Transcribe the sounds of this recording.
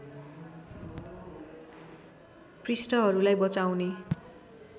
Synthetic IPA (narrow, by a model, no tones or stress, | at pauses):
prisʈʌɦʌɾulajbʌt͡sawne